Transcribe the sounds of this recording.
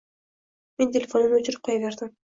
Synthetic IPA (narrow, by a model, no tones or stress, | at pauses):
me̞nt̪ʰʲelʲefo̞nɯnɵt͡ʃyɾyp̚qʰojaveɾd̪ɪm